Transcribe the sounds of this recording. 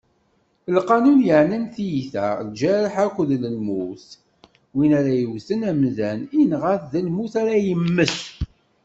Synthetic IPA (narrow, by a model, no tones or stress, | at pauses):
əlqɑnunjəʕnənθjiθæ̰d͡ʒæɾəħækʷːðləlmuθ | winæɾæjəwθənæmðæninʁæθðælmuθæɾæjəmːəs